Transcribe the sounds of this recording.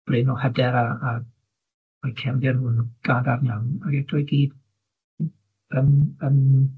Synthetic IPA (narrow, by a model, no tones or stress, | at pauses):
b̥rɪnɔhɛdɛɾaː | ɔjkʰɛwndɛrnuːnɡ̥aːdarnaŋaɡɛd̥ʰɔjɡiːd̥ | ənən